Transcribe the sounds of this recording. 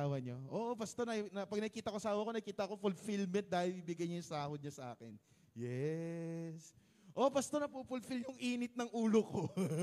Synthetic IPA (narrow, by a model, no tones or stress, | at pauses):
awɐɲoʔoʔobɐst̪o̞nɐnɐpɐɡ̚nɐɡkiːt̪ɐkosaːwɐko̞nɐɡkiːt̪ɐɐko̞fʊlfilmɛnt̪̚d̪aːhɪlibɪɡɐjɲojʊŋsaːhod̪̚ɲɐsɐʔa̰ːkɛ̰n | jɛ | s | ʔo̞bɐst̪o̞nɐpupʊlfilɲʊŋʔiːnɪt̪̚nɐŋʔuːloko